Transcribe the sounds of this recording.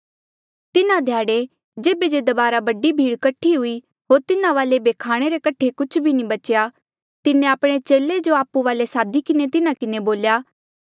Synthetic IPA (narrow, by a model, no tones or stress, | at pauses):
t̪ɪnãd̪ʱjaːɽe | d͡ʒeːbed͡ʒed̪ɐbaːɾabɐɖibʱiːɽkɐʈʰːiɦʊi | ɦoːɾt̪ɪnãʋaːlebeːkʰaːɽ̃eɾekɐʈʰekʊt͡ʃʰbʱinĩbɐt͡ʃja | t̪ɪnẽaːpɽ̃et͡ʃeːled͡ʒoaːpuʋaːlesaːd̪ikɪnet̪ɪnãkɪneboːljaː